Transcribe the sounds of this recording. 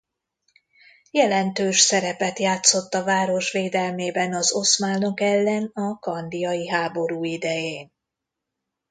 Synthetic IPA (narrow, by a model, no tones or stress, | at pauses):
jɛlɛnt̪øːʃsɛɾɛpɛt̪jaːt̪so̞t̪ːɒvaːɾo̞ʃʋeːd̪ɛlmeːbɛnɒzo̞smaːnokɛlːɛnɒkɒnd̪ijɒjiɦaːbo̞ɾuːid̪ɛjeːn